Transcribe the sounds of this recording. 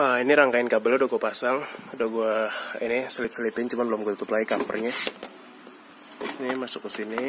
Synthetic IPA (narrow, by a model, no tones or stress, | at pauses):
ainiɾaŋkaɪnkabəladoɡuapasaŋdoɡuainɪsəlɪp̚səlipɪnt͡ʃumanbəlʊmɡuat̪ut̪ʊplaikafə̰rɲɛ | nimasʊkːəsini